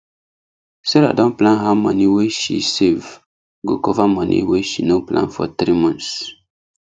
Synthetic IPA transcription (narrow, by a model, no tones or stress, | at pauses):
sɛɾa̰dɔ̃nplãnɦamɔ̃niweʃḭsev | ɡokɔvamɔ̃nʔḭweʃinõplã̰nfɔ̰t̪ɾimɔ̃ntss